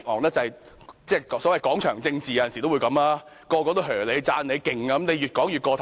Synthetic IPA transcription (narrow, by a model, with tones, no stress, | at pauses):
k̚ŋɔː˨˩ŋlɛː˥t͡sɐ˨ɐ˨j | t͡sɛː˥˩sɔː˨˥wɐ˨jkɔː˨˥ŋt͡ʃʰœː˨˩ŋt͡sɪ˧ŋt͡siː˨ja˨˧jɐ˨nsi˨t̪o˥wu˨˧jkɐ˨˧mlaː˥ | kɔː˧kɔː˧t̪o˥ɦœː˨˩le˨˧jt͡saː˧nle˨˧jkɪ˨ŋaː˧ɐ˦mne˨˧jyː˨˩t̚kɔː˨˥ŋjy˨t̚kɔː˧t̪ʰ